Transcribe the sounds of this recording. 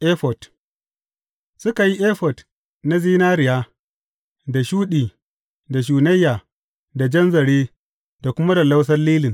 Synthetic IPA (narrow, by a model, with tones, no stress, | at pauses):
ʔe˦ɸɔ˨t | sʊ˦ka˨ji˦ʔeː˦ɸɔ˨t | na˦ziː˦naː˦ɾɪ˨jaː˦ | da˨ʃuː˦ɗiː˨ | da˨ʃ̬uː˨nɐ˦jːaː˨ | da˨d͡ʒɐ˦nzɐ˨ɽeː˦ | da˨kʷʊ˦ma˦da˨la˦ws̬ɐ˦rliː˦lɪ˨n